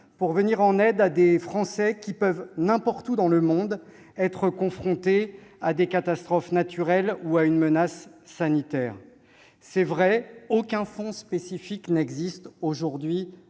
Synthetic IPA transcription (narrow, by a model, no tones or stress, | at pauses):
puʁvəniʁɑ̃nɛd̪ad̪efχɑ̃sɛkʲipœvnɛ̃pɔʁt̪ud̪ɑ̃ləmɔ̃d̪ | ɛt̪χəkɔ̃fχɔ̃t̪ead̪ekat̪ast̪χɔfnat̪ʰyʁɛluaynmənasːanit̪ɛːʁ | sɛvʁɛokʲɛ̃fɔ̃spesifiknɛɡzist̪oʒuʁd̪ɥi